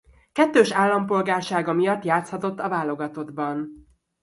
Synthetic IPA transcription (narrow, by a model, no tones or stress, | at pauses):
kɛt̪ːøːʃaːlːɒmpo̞lɡaːrʃaːɡɒmijɒt̪ːjaːt̪shɒt̪o̞t̪ːɒvaːlo̞ɡɒt̪o̞d̪bɒn